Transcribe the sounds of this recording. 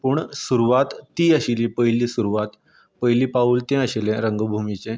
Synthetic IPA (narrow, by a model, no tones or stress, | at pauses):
puɳsuɾuʋat̪ːiːəɕilipəjliːsuɾuʋat̪ | pəjliːpauːlt̪ɛ̃əɕilɛ̃ɾəŋɡəbʱumit͡ɕẽ